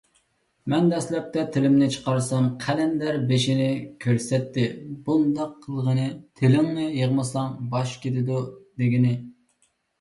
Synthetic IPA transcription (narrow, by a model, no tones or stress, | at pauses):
mɛnd̪ɛslɛp̚t̪ɛt̪ʰɪlɪmnɪt͡ʃʰə̥qɑɾsɑmqʰɛlɛnd̪æɾbeʃɪnɪkʲʰøɾsɛt̪ːɪbund̪ɑqʰːəlˠʁənɨt̪ʰɪlɪŋnɨjəʁmɨsɑŋbɑʃkʲet̪ɪd̪ud̪ɪɡʲinɪ